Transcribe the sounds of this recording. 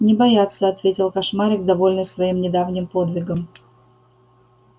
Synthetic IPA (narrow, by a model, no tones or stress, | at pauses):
nʲɪbɐjat̪səɐt̪vʲetʲɪlˠkɐʂmaɾʲɪɡd̪ɐvo̞lʲnɨsvɐimnʲɪd̪avnʲɪmpo̞d̪vʲɪɡəm